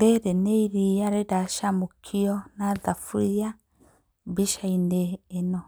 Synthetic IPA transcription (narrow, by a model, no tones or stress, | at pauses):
ɡeɾeneiɾijaɾedaʃamokʰiɔnaðafuɾia | biʃaineːnɔ